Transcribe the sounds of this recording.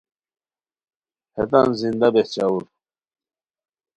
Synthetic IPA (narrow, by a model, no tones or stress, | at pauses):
het̪anzind̪abeht͡ɕawuɾ